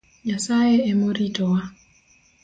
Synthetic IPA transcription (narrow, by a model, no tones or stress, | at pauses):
ɲasajeemoɾitɔwa